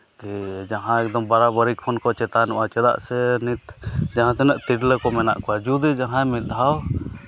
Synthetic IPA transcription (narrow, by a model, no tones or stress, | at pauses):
kid͡ʒaɦãɛk̚d̪ɔmbaɾabaɾikʰɔnkɔt͡ʃɛt̪anuʔat͡ʃɛd̪a̰ʔsɛnit̪d͡ʒaɦãt̪ɛnəʔt̪iɾləkɔmɛna̰ʔkɔad͡ʒud̪id͡ʒaɦãɛmit̪̚d̪ʱaw